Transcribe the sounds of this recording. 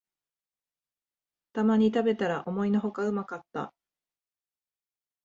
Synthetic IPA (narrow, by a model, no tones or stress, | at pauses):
t̪amaɲ̟it̪abe̞t̪aɾaʔo̞mo̞ino̞ɦo̞kaɯ̟makat̪ːa̰